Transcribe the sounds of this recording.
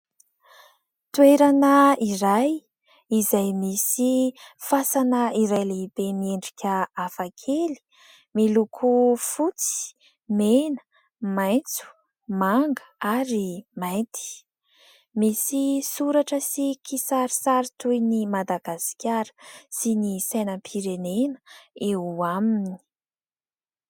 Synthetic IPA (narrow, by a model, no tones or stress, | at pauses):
t̪ueɾanəiɾaj | izajmisifasanəiɾajlebemieɳɖ͡ʐikʲəafakʰeli̥ | milukʰufut͡si̥ | menə̥ | majnt͡su̥ | maŋɡəaɾimajnt̪ʰi̥ | misisuɾaʈ͡ʂəsikisaɾisaɾit̪ujnimad̪aɡ̥asi̥kʲaɾə̥sinisajnəpʰiɾenenə̥euamini̥